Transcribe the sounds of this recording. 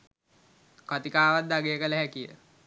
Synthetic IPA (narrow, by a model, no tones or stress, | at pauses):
kat̪ikaːʋat̪̚d̪aɡeːəkələɦækijə̰